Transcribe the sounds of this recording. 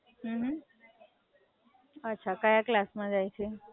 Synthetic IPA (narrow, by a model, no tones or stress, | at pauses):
ɦ̩ɦ | ətːʃʰakajaklasmãd͡ʒajt͡ʃʰe